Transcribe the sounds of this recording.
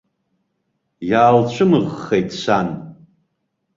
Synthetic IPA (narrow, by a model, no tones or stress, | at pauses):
jaːlt͡ɕʷʰɨmɨʁːejtʼsʷan